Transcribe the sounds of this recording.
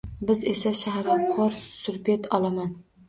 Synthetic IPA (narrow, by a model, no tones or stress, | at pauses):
bɪzesaʃahɾɪqʰɒɾssʊɾpet̪ʰɒlˠaman